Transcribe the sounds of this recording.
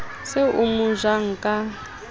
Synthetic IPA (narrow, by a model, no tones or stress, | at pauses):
sɪʔumʊʒaŋ̩kʼa